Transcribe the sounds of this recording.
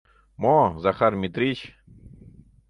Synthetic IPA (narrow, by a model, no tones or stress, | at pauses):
mozaχarmʲit̪ɾʲit͡ɕ